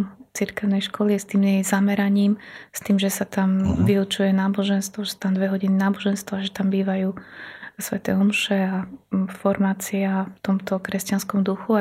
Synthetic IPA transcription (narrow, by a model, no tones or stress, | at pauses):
t͡siɾkɛʊnɛjʃkɔliɛst̪iːmjɛjzamɛɾaɲiːmst̪iːmʒɛsat̪amʋiut͡ʃujɛnaːbɔʒɛnst̪ʋɔʒɛst̪amd̪ʋɛɦɔɟininaːbɔʒɛnst̪ʋɔaʒɛt̪ambiːʋajuːsʋɛ̰t̪ɛ̰ɔmʃɛafɔɾmaːt͡siaft̪ɔmt̪ɔkɾɛscanskɔmd̪uxua